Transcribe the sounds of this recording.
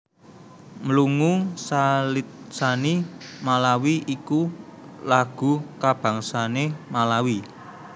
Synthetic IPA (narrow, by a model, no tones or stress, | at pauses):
məluŋusalit̪̚sanimalawiikulaɡ̥ṳkab̥a̤ŋsanemalawi